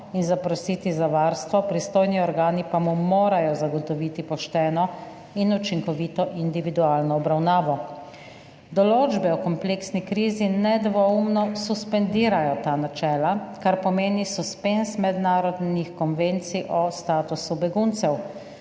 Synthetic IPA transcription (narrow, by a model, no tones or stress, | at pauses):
inzapɾɔsiːt̪izaʋaːɾst̪ʋɔpɾist̪oːjniɔɾɡaːnipamumoːɾajɔzaɡɔt̪ɔʋit̪ipɔʃt̪ɛːnɔ | inut͡ʃiŋkɔʋiːt̪ɔʔind̪iʋid̪uaːlnɔːbɾawnaːʋɔ | d̪ɔloːd͡ʒbɛɔkɔmpleksnikɾiːzinɛd̪ʋɔumnɔsuspɛnd̪iːɾajɔt̪aːnat͡ʃɛːlakaɾpɔmeːnisuspensmɛd̪naːɾɔd̪nixkɔnʋent̪siʔɔst̪aːt̪usubɛɡunt̪sɛw